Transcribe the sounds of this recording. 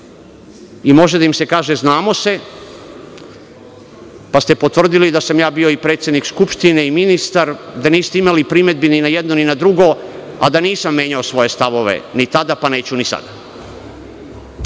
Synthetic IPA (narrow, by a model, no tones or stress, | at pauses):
imo̞ʒed̪aimse̞kaːʒeznaːmo̞se̞ | past̪epo̞t̪ʋr̩d̪ilid̪asamjaːbio̞ipɾet̪sjed̪nikskupʃt̪ineiminist̪aɾd̪aniːst̪eimalipɾime̞d̪̚bininajed̪noninad̪ɾuɡo̞ | a̰d̪aniːsamːje̞ːɲaosʋo̞je̞st̪aʋo̞ʋe̞̰nit̪ad̪apane̞ːt͡ɕunisa̰d̪a